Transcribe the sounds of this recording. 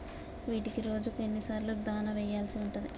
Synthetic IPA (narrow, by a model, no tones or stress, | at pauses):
ʋiːʈikiɾo̞ːd͡ʒukenːisaːɾlud̪aːnɐʋɛjːaːlsiuɳʈund̪i